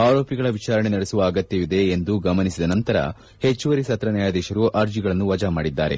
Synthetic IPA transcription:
aːɾo̞ːpiɡɐɭɐʋit͡ʃaːɾɐɳe̞nɐɽesuʋɐːɡɐt̪jɐʋid̪e̞ːnd̪uɡɐmɐnisid̪ɐnɐnt̪ɐɾɐ̰ | he̞t͡ʃːuʋɐɾisɐt̪ɾɐnjaːjad̪ɛːʃɐɾuʔaːɾd͡ʒiɡɐɭɐnːuʋɐd͡ʒamaːɽid̪ːaːɾe̞̰

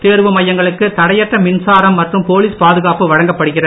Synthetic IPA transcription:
t̪eːɾʋɯmɐjːɐŋɡɐɭɯkːɯt̪ɐɽɐjɐʈːrɐmɪnsaːɾɐmːɐʈrɯmpoːliːspaːðɯɣaːpɯʋɐɻɐŋɡɐpːɐɽɯɣɪrɐ

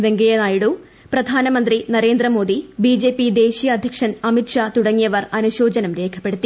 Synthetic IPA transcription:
ʋe̞ŋɡɐjɐnaːjiɽu | prɐd̪ʱaːnɐmɐnd̪rinɐɾe̞ːnd̪rɐmo̞ːd̪ibiːd͡ʑe̞ːpid̪e̞ːɕijɐːd̪ʱjɐkʂɐnɐmiʈʂaːt̪uɽɐŋːijɐʋɐrɐnuɕo̞ːd͡ʑɐnɐmɾe̞ːkʰɐ̥pːe̞ɽut̪ːi

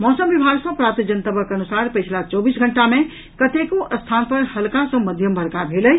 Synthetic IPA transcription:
mɔsəmbibʱaɡsə̃pɾat̪id͡ʒənt̪əbʱəkənusaɾpəjt͡ʃʰlat͡ʃɔbisɡʱəɳʈame | kət̪ekoʔəst̪ʰanpəɾhəlkasə̃məd̪ʱjəmbʱəɾkabʱeləj

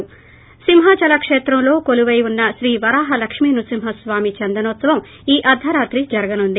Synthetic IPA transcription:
simɦat͡ʃɐlɐkʂeːt̪ɾɐmlo̞ːkoluʋɐjunːɐʃɾiːʋɐɾaːɦɐlɐkʂmiːnusimɦɐsʋaːmit͡ʃɐnd̪ɐnoːt̪sɐʋɐm | iːʔɐd̪ʱɐɾaːt̪ɾid͡ʒɐɾɐɡɐnuɳɖi

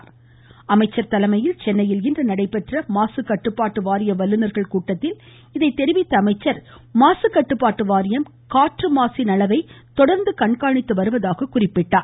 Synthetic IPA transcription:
ɐmɐɪt͡ʃːɐɾt̪ɐlɐmɐjɪlt͡ʃɛnːɐjɪlɪndrɐnɐɽɐɪpːɛʈrɐmaːsɯkːɐʈːɯpːaːʈːɯʋaːɾɪjɐʋɐlːɯnɐɾɣɐɭkuːʈːɐt̪ːɪl | ɪðɐɪt̪ːɛɾɪʋɪt̪ːɐɐmɐɪt͡ʃːɐɾ | maːsɯkːɐʈːɯpːaːʈːɯʋaːɾɪjɐm | kaːʈrɯmaːsɪnɐlɐʋɐɪt̪ɔɽɐɾnd̪ɯkɐɳkaːɳɪt̪ːɯʋɐɾɯʋɐðaːɣɐkʊrɪpːɪʈːaː

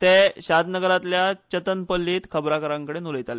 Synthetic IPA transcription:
t̪eɕad̪nəɡəɾat̪ljat͡ɕət̪ənpəlːiːt̪kʰəbɾakəɾãŋkəɽenuləjt̪ale

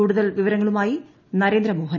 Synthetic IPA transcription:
uːɽuðɐlʋiʋɐɾɐŋːɐɭumaːji | nɐɾeːnd̪ɾɐmoːɦɐn

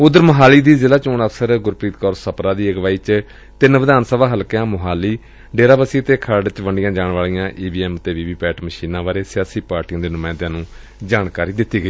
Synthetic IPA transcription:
ʊd̪əɾməɦaːliːd̪iːzɪlaːt͡ʃoːɳəpʰsəɾɡʊɾpɾiːt̪kɔːɾsəpɾaːd̪iːəɡʋaːiːt͡ʃ | t̪ɪnʋəd̪aːnsəʋaːɦəlkjãːmʊɦaːliː | ɖeːɾaːbəsiːət̪eːkʰəɾɖt͡ʃʋəɳɖɪjãːd͡ʒaːɳʋaːɭijãːʔiːbiːɛːmt̪eːʋiːʋiːpɛːʈməʃiːnãːʋaːɾeːsɪjaːsiːpaːɾʈijãːd̪eːnʊmãːnd̪ãːnũː | d͡ʒaːɳkaːɾiːd̪ɪt̪ːiːɡəiː

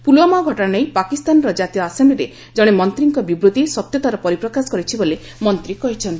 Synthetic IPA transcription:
pulwɔmaɡʱɔʈnejpakist̪anɔɾɔd͡ʒat̪ijɔasambliɾe | d͡ʒɔɽ̃emɔnt̪ɾiŋkɔbibɾut̪isɔt̪jɔt̪aɾɔpɔɾipɾɔkasɔ̥kɔɾit͡ʃʰibole | mɔnt̪ɾikɔɦit͡ʃʰɔnt̪i

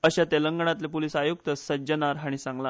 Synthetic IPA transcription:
əɕat̪eləŋɡəɳ̃at̪lepolisajuk̚t̪əsəd͡ʑənaɾɦaɽ̃isãŋɡla

